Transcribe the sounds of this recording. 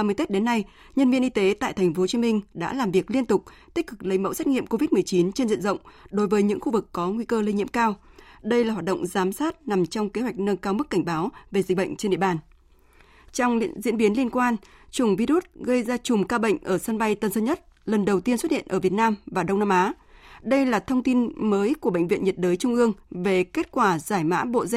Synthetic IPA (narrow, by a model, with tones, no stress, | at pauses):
mə˨˦jt̪e˦˥t̚ɗe˨˦nːa˧j | ɲə˧nvi˧ənʔi˧t̪e˨˦t̪a̰ː˧˨jt̪ʰɛ˨˩ŋ̟fo˨˦t͡ɕi˨˦mï˧ŋ̟ɗa̰ː˧˥laː˨˩mvi˨˩ək̚li˧ənt̪ʊ˨˩k͡p̚t̪i˦˥k̟̚kɨ˨˩k̚lə˨˦jmə̰˧˥wsɛ˦˥k̚ŋḭ˧˨əmko˧vi˦˥t̚m˨˩əjt͡ɕi˨˦nt͡ɕe˧nzḭ˧˨nzə̰˧˨wŋ͡mɗo˨˦jvəː˨˦jɲɨ̰˧˥ŋxu˧vɨ˨˩kːɔ˨˦ŋwi˧kəː˧li˧ɲḭ˧˨əmkaː˧wɗə˧jlaː˨˩ɦwaː˨˩ɗə̰˧˨ŋ͡mzaː˨˦msaː˦˥t̚na˨˩mt͡ɕɔ˧wŋ͡mke˨˦ɦwa˨˩jk̟̚nəː˧kaː˧wmɨ˦˥k̚ːa˧˩ŋ̟ɓaː˨˦wve˨˩zi˨˩k̟̚ɓə̰˧˨ŋ̟t͡ɕe˧nɗḭ˧˨ɓaː˨˩n | t͡ɕɔ˧wŋ͡mzḭ˧˥ənɓi˨˦ənli˧ənkwaː˧nt͡ɕʊ˨˧˩ŋ͡mvi˧ɾu˦˥t̚ɣə˧jzaː˧t͡ɕʊ˨˩ŋ͡mkaː˧ɓə̰˧˨jŋ̟ʔəː˧˩sə˧nɓa˧jt̪ə˨˩nsə˧nɲə˦˥t̚lə˨˩nɗə˨˩wt̪i˧ənswə˦˥t̚hḭ˧˨ənʔəː˧˩vi˨˩ət̚naː˧mvaː˨˩ɗə˧wŋ͡mnaː˧mʔaː˨˦ | ɗə˧jlaː˨˩t̪ʰə˧wŋ͡mt̪i˧nməː˨˦jku˧˩əɓə̰˧˨jŋ̟vḭ˧˨ənɲə˨˩t̚ɗəː˨˦jt͡ɕʊ˧ŋ͡mʔɨ˧əŋve˨˩ke˦˥t̚kwaː˧˩zaː˧˩jma̰ː˧˥ɓo̰˧˨zɛ˧